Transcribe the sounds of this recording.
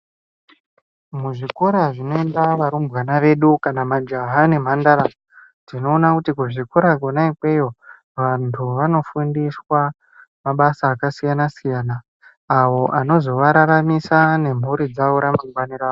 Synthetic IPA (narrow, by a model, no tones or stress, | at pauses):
muʐikoɾaʐino̞endaʋaɾumbwanaʋe̞ɗukanamad͡ʒaɦane̞m̤andaɾa | dino̞ːnakutikuʐikoɾaɡʱonaikwe̞jo̞ | ʋantʰuʋano̞fundiswa | maɓasaːkasijanasijaːnaː | wo̞ʔano̞zo̞ʋaɾaɾamisane̞m̤uɾid͡zaʋoɾamaŋɡwaniɾaːʋo